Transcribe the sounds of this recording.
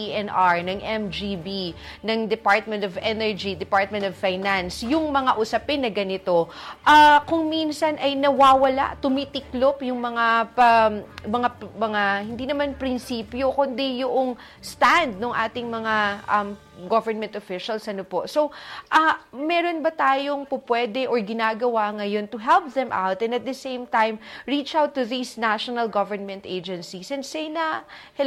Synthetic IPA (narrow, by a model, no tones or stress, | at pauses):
iʔɛnʔaɹnɐŋʔɛmd͡ʒibi | nɐŋd̪ɛpaɹt̪̚mɛ̃nt̪ovʔɛnɛɹd͡ʒid̪ɛpaɹt̪̚mɛ̃nt̪ovfajnansjʊŋmɐŋaʔʊsɐpɪnːɐɡɐnɪt̪o̞ʔakʊŋminsɐnʔɐjnɐwaːwɐla̰ʔt̪ʊmit̪ɪklopjʊŋmɐŋapɐmɐŋamɐŋahɪnd̪iːnɐmanpɾɪnsiːpjo̞kond̪ɛjʊʔoŋ | st̪and̪̚noŋʔaːt̪ɪŋmɐŋaʔɐm | ɡovɛɹnmɛ̃nt̪ʔofɪʃɐlsʔɐnoposowʔɐmɛɾo̞nbɐt̪aːjoŋpʊpwɛd̪ɛʔoɹɡɪnaːɡɐwaŋɐjo̞nt̪ʊɦɛlp̚ðɛ̃mʔa̰wt̪ɛ̃nd̪ɐt̪̚d̪ɐsẽjmt̪ajmɹit͡ʃawt̪ːʊðisnaʃonɐlɡɐvɛɹnmɛ̃nt̪ʔejd͡ʒɛnsisɛ̃nd̪sejnɐ